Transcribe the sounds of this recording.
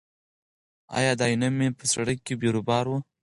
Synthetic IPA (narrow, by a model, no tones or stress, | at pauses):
ɑ̰jɑd̪ɑjunamːepəsaɽəkːebeɾobɑɾwu